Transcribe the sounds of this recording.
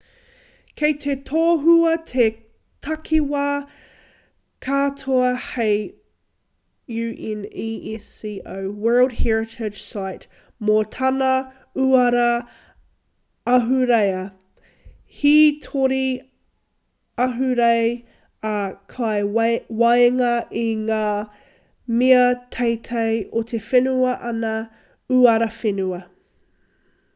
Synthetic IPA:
kʰeɪt̪ʰetʰoːɦuɐt̪ʰe | tʰɐkʰiwaː | kʰaːtʰoɐhej | jʉːʔɛniːʔɛsiːʔowwɜ˞lˠd̚hɛɹɪtʰɪ̥d͡ʒ̥saɪt | mot̪ʰɐnɐ | uɐɾɐ | ɐɦʉɾejɐ | hitʰoɾi | ɐɦʉɾej | ɐkʰɑjwajŋɐʔiŋaː | miɐt̪ʰejt̪ʰejʔot̪ʰefenuɐʔɐnɐ | uɐɾɐfenuɐ

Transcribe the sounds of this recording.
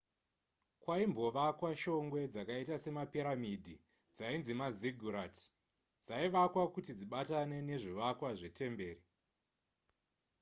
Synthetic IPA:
kwaimbo̞ʋakwaʃo̞ŋɡwe̞d͡zakaitase̞mapiɾamidʱi | d͡zainzimaziɡʱuɾat | d͡zaiʋakwakutid͡ziɓatane̞ne̞ʐiʋakwaʐe̞te̞mbe̞ːri

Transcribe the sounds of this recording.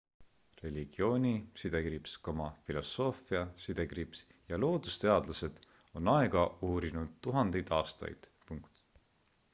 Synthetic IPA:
re̞lʲiɡ̥io̞ːnʲisid̪̥e̞kɾipskomɑfilo̞sːo̞ːfiɑsid̪e̞kripsjɑlo̞ːd̪ust̪e̞ɑd̪̥lɑse̞d̪̥ | o̞nɑe̞ɡ̥ɑuːɾinud̪̥t̪ːuɦɑnd̪̥ejd̪̥ɑːst̪ɑ̰jd̪̥ | puŋkt̪

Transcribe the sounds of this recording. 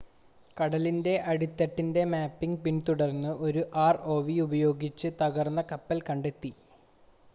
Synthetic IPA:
kɐɽɐlinde̞ʔɐɽit̪ːɐʈːinde̞maːpːiŋɡpint̪uɽɐrnːɨʔo̞ɾuʔaːro̞ːʋiubɐjo̞ːɡit͡ɕːɨt̪ɐɣɐrnːɐkɐpːɐlkɐɳɖe̞t̪ːi

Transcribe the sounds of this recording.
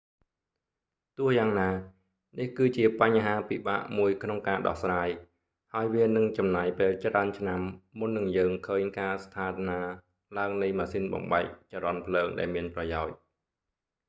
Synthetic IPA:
t̪ʊ̆əhjaːŋnaː | nihkɨːt͡ɕiəpaɲːɦaːpiɓa̰ːʔmuəjkʰnoŋkaːɗɑ̰hsraːj | haɔjʋiənɨŋt͡ɕɑmnaːjpeːlt͡ɕraənt͡ɕʰnamːunːɨŋjəːŋkʰəːɲkaːst̪ʰaːt̪naː | laəŋnɨjmaːsinɓɑ̰mɓaɛk̚t͡ɕaɾɑnpʰləːŋɗa̰ɛlmiənprɑjaɔc̚

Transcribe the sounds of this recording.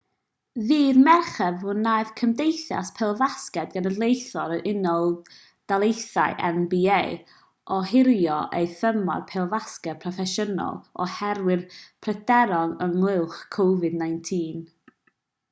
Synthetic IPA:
ðiːðmɛrχɛvʊnːajv̥kʰəmdejθja̰spʰɛlˠvaskɛdɡanədlˠejθɔɾəɾʔɪnɔlˠ | d̥alˠejθa̰ɨʔɛ̰nbiej | ʔɔhɪɾjɔʔejθəmɔ̰rpʰɛlˠvaskɛpʰrɔfɛʃənɔ̰lˠɔhɛɾwɨrpʰrɛdɛɾɔŋəŋlˠɪwˠχkʰowvɨdnajntʰiːn

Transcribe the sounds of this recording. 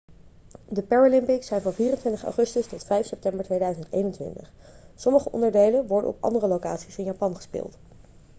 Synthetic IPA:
dəpɛɹolɪmpɪksɛjnvɑnviːrəntʋɪntəχɑ̰wχɵstəstɔtfɛjfsɛp̚tɛmbəɹtʋejdœɥzəntḛjnəntʋɪ̰ntəχ | sɔməχəʔɔ̰ndəɹdejlənʋɔɹdə̰ɔ̰pɑ̰ndərəlowka̰ːtsisɪnjaːpɑnχə̥spɪ̰ːlˠt

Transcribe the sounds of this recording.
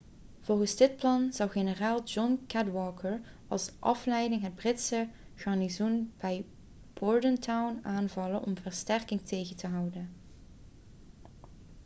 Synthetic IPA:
v̥ɔlˠχənzdɪt̚plɑnz̥ɑwχenəraːlˠd͡ʒɔnkɛdwɔːkəɹ | ɑ̰lˠsʔɑflɛjdɪŋɦəd̚brɪtsəɣɑɹnizunb̥ɛj | b̥ɔɹdəntawnaːnvɑlənʔɔ̰mvəɹstɛrkɪŋtʰejɣəntəɦɑwdən

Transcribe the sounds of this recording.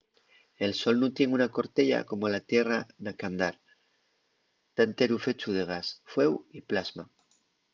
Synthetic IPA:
elso̞lnut̪jeŋunako̞ɾt̪eʎa̰ko̞molat̪jeranakand̪aɾ | t̪ant̪eɾufe̞t͡ʃuðeɣ̞asfwe̞wiplazma

